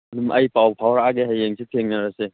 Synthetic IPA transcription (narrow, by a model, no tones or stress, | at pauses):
dumʔɐjpawpʰawɾaɡeɦajeŋsʰit̪ʰeŋnaɾase